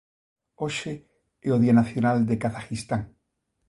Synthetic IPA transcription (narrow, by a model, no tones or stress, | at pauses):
oʃe | eoð̞ianaθjonald̪ekaθaxist̪aŋ